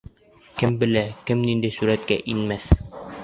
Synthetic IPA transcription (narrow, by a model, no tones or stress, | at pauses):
kɘmbɘ̆lækɘmnind̪æjsuɾæt̪̚kæʔinmæθ